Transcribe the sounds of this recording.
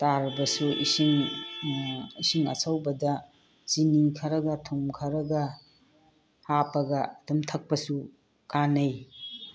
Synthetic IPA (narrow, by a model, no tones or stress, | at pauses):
taɾɐbɐsuʔisiŋ | isiŋɐ̰sawbɐdɐ | zinikʰɐɾɐɡɐtʰomkʰɐɾɐɡɐ | hapːɐɡɐːdumtʰɐk̚pɐsu | kanɐj